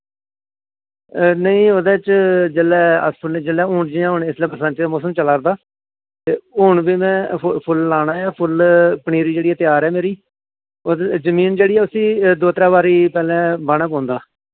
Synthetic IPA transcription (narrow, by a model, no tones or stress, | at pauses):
nəĩːoːd̪ẽːt͡ʃd͡ʒəlɛːə̰spʰʊlnẽːd͡ʒəlɛːʊːɳd͡ʒiːãːɦʊɳːɪslːbəɾsãːt͡ʃːmʊːsəmt͡ʃəlaːɾd̪aː | t̪eːʊːɳbiːmɛ̃ːpʰʊlːaːnaːjaːpʰʊlpəɳiːɾiːd͡ʒeːɽiːɛːt̪ɪjaːɾɛːmeːɾiː | ozəmiːnd͡ʒeːɽiːɛːʊsĩːd̪oːt̪ɾaːbaːɾiːpɛːlɛ̃ːbaːɽaːp̬ãːnd̪aː